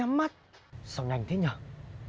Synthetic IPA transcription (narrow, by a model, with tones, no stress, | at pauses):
a˨˧˦mːa˦˥t̚sɔ˨˧˩wŋa˨˩jŋ̟t̪ʰe˨˦ɲə˨˩